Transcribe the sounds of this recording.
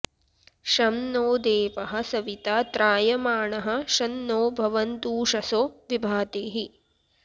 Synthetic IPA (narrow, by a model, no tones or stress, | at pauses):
ʃɐmnoːd̪eːʋɐɦɐ̆sɐʋit̪aːt̪ɾaːjɐmaːɳɐɦɐ̆ʃɐnːoːbʱɐʋɐnt̪uːʂɐsoːʋibʱaːt̪eːɦi